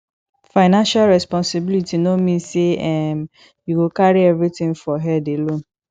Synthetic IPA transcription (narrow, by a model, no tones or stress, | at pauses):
faɪnãnʃalɹɛspɔ̃nsibilitinomĩseɛm | juɡokaɾiɛvɾitɪ̃ŋfɔɦɛdelõn